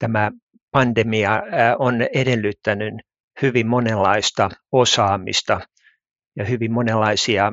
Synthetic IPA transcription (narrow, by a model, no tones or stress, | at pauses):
t̪æmæ | pɑnd̪emiɑonedelːyt̪ːænyn | hyʋimmonelːɑist̪ɑosɑːmḭst̪ɑ | jɑhyʋimmonelːɑisiɑ